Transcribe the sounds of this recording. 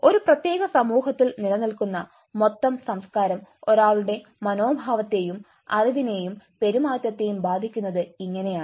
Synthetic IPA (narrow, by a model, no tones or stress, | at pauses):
o̞ɾuprɐt̪je̞ːɣɐsɐmuːɦɐt̪ːilnilɐnilkunːɐ | mo̞t̪ːɐmsɐmskaːɾɐmo̞ɾaːɭuɽe̞ | mɐno̞ːbʱaːʋɐt̪ːe̞jum | ɐ̰riʋine̞jumpe̞ɾumaːt̪jɐt̪ːe̞jumbaːd̪ʱikʲːunːɐðɨiŋːɐne̞jaː